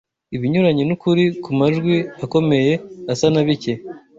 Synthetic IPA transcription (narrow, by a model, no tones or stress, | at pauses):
iβiɲuɾaɲinukuɾikumaʒɡwiako̞me̞je̞asanaβice